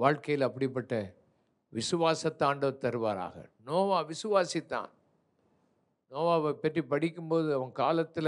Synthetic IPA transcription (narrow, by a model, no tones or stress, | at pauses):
ʋaːɻkɐjɪlɐpːɐɽɪp̬ːɐʈːɐ | ʋɪsɯʋaːsɐt̪ːaːɳɖɐt̪ɐɾɯʋa̰ːɾa̰ːɣɐ̰noːʋaːʋɪsɯʋaːsit̪ːã̰ːn | noːʋaːɐʋɐpːɐʈripɐɽɪkʲːɯmpoːðɯɐʋɐŋkaːlɐt̪ːɪl